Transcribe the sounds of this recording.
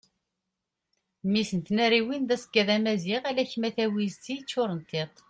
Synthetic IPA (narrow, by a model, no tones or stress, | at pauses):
misənt̪næɾiwinðæsə̥kːæðæmæziʁælæçmæθæwizt̪it͡sːʊɾˤənt̪ɪt̪ˤ